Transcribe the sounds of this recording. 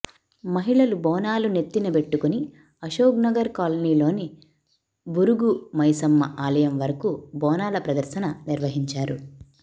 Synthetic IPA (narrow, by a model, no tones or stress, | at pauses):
mɐɦiɭɐlubɔːnaːlune̞t̪ːinɐbe̞ʈːukuni | ɐʃoːɡnɐɡɐɾkaːlɐniːlo̞ːni | buɾuɡumɐjsɐmːɐʔaːlɐjɐmʋɐɾɐkubɔːnaːlɐpɾɐd̪ɐɾʃɐnɐniɾʋɐɦiɲt͡ʃaːɾu